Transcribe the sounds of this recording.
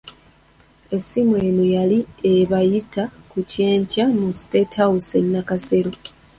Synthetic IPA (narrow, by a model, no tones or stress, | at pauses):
e̞simwe̞ːnojalieβajitakuce̞ːɲcamusi̥te̞tʰawusenːakase̞ɾo̞